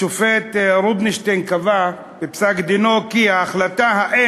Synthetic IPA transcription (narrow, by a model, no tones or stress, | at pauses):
ofet̪ɾubniʃt̪enkava | bepsakd̪inokihaːχlat̪aɦaʔe